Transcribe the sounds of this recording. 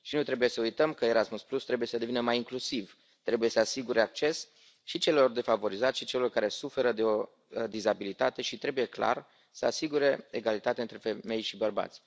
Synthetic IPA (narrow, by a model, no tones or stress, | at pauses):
ʃinut̪ɾe̞buje̞səujt̪əmkəeɾasmusplust̪ɾe̞buje̞səd̪e̞vinəmajiŋklusiv | t̪ɾe̞buje̞səasiɡuɾe̞ak̚t͡ʃe̞s | ʃit͡ʃe̞lelo̞rd̪e̞favo̞ɾizat̪ʲʃit͡ʃe̞lelo̞rkaɾe̞sufe̞ɾəd̪e̞o̞ | d̪izabilit̪at̪e̞ʃit̪ɾe̞buje̞kla̰r | səasiɡuɾe̞eɡalit̪at̪eaɨnt̪ɾe̞fe̞me̞jʃibərba̰t̪sʲ